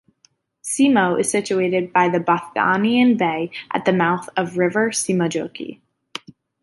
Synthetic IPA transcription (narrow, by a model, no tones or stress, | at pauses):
simoʊʔɨz̥sɪt͡ʃʉeɪɾɨd̚baɪðɨbɑθɡɑ̰niɨ̃nbeɪʔɨ̰t̪̚ðɨmaʊθʌvɹɪvə˞simod͡ʒoʊkḭ